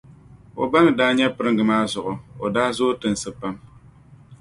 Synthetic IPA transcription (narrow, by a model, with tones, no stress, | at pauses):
o̰˨ba˦nɨ˨daː˦ɲɛ˦pɨ˦ɾɨ˦ŋɡɨ˨maː˦zʊ˨ʔʊ˨o˨daː˦zoː˦tɨ˨n˨sɨ˦pa˦m